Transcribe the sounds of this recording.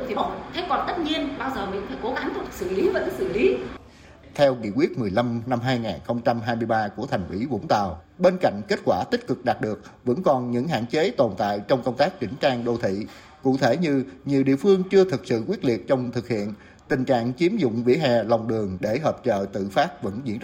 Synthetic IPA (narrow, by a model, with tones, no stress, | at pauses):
t̪ʰi˨˩˨t̪ʰe˨˦kɔ˨˩t̪ə˦˥t̚ɲi˧ənɓaː˧wzəː˨˩mï˧˨ŋ̟faː˧˩˦ko˨˦ɣa˨˦ŋt͡ɕ̚ːsɨ̰˧˨li˨˦vəː˨˩kaː˨˦˥sɨ̰˧˨li˨˦ | t̪ʰɛ˧wkḭ˧˨əkwi˦˥ət̚mɨ˨˩əjla˧mna˧mɦaː˧jŋaː˨˩nxə˧wŋ͡mt͡ɕa˧mɦaː˧jmɨ˧jɓaː˧ku˧˩ət̪ʰa˨˩jŋ̟ʔḭ˧˨˦vʊ̰˧˥ŋ͡mt̪a̰ː˨˩wɓe˧nka̰˧˨jŋ̟ke˦˥t̚kwaː˧˩t̪i˦˥t̚kɨ˨˩k̚ɗaː˨˩t̚ɗɨ˨˩ək̚və̰˧˥nkɔ˨˩nɲɨ̰˧˥ŋɦa̰ː˧˨nt͡ɕe˨˦t̪o˨˩nt̪a̰ː˧˨jt͡ɕɔ˧wŋ͡mkə˧wŋ͡mt̪aː˦˥k̚t͡ɕï˧˩˦ŋ̟t͡ɕaː˧ŋɗo˧˩t̪ʰḭ˧˨ | kṵ˧˨t̪ʰe˧˩ɲɨ˧ɲi˨˩əwɗḭ˧˨əfɨ˧əŋt͡ɕɨ˧ət̪ʰɨ˨˩k̚sɨ̰˧˨kwi˦˥t̚li˨˩ət̚t͡ɕɔ˧wŋ͡mt̪ʰɨ˨˩k̚hḭ˧˨ən | t̪ï˨˩ŋ̟t͡ɕa̰ː˧˨ŋt͡ɕi˨˦əmzʊ̰˧˨ŋ͡mvḭ˧˥əɦɛ˨˩la˨˩wŋ͡mɗɨ˨˩əŋɗe˧˩ɦəː˨˩p̚t͡ɕə̰ː˧˨t̪ɨ̰˧˨faː˦˥t̚və̰˧˥nzḭ˧˥ən